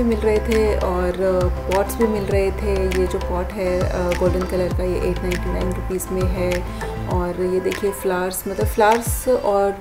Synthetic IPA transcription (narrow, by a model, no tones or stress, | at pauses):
emɪlɾɐɦet̪ʰeɔːɾpɔːʈsbʱimɪlɾɐɦet̪ʰejed͡ʒoːpɔːʈɦɛɡoːlɖə̃nkɐlɐɾk̪ajḛʔeːʈnãɪ̃nʈinãɪ̃nɾʊpiːzmẽɦɛː | ɔːɾjed̪eːkʰieflaːɾsmɐt̪ləbflaːɾsɔːɾ